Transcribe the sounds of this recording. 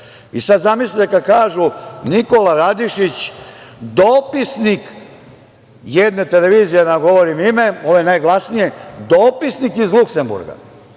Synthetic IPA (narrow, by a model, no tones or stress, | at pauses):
isad̪zamislit̪ekakaːʒuniko̞laɾad̪iʃit͡ɕ | d̪opisnik | jed̪ne̞t̪ele̞ʋiːzijenaɡo̞ʋoɾimime̞o̞ʋojenajɡlˠasnije̞d̪o̞ːpisnikizlukse̞mbṵɾɡa̰